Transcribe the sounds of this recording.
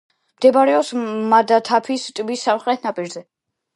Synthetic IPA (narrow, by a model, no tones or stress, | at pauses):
md̪̥ɛbaɾɛɔsmad̪at̪ʰapʰist̪ʼbisːamχɾɛt̪ʰnapʼiɾzɛ